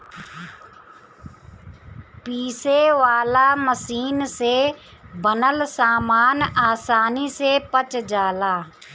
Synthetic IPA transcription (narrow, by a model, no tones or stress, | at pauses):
piːseːʋaːlaːməsiːnseː | bənəlsaːmaːnaːsaːniseːpət͡ʃd͡ʒaːlaː